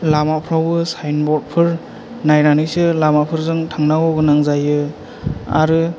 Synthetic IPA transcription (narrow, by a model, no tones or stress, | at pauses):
lamapʰɾawbɯsajnbɔt̚pʰɯɾ | najnanɯjsɯlamapʰɯɾzɯŋtʰaŋnawɔɡɯnaŋzajɯ | a̰ɾɯ